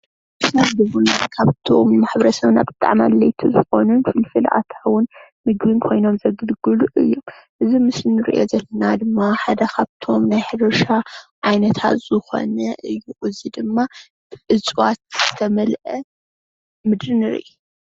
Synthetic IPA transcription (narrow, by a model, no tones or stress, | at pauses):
ʔɨsafd̪ɨβunat̪kʰaβt̪ʰomːaħβɐɾɐsɐβna̰bɨt̪ʼːa̰ʕma̰lːɐjt̪ʰuzɨxo̞nunfɨlfɨlʔa̰t̪ʰawʊn | mɨɡβɨnkʰo̞jno̞mzɐɡɨlɡɨluʔɨ̰jːo̞m | ʔɨzimɨsnɨɾḭʔo̞zɐlːɐnad̪ɨmːaħad̪ɐkʰaβt̪ʰo̞mnajħɨɾɐʃaʔajnɐt̪ʰa̰t̪z̥ɨxo̞̰nɐʔɨjːuʔɨzid̪ɨmːa | b̥ɨʔɨt͡sʼwat̪̚z̥ɨt̪ʰɐmɐlʔɐ | mɨd̪ɾɨnɨɾɨ̰ʔu